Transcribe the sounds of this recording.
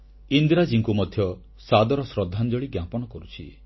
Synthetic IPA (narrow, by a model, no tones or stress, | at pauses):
ind̪ɾad͡ʒiŋkumɔd̪ʱjɔ | sad̪ɔɾɔsɾɔd̪ʱːand͡ʒɔɭiɡjapɔɽ̃ɔkɔɾut͡ʃʰḭ